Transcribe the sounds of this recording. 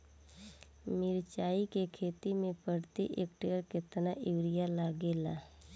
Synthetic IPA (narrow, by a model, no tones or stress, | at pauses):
mɪɾt͡ʃaːikekʰeːt̪imẽpəɾt̪ḭʔek̚ʈeːəɾkɪt̪naʔɪʋɾɪjalaːɡeːla̰